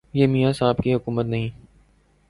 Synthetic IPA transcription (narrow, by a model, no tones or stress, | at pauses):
jeːmijasaɦbkiɦʊkuːmət̪nɐɦĩː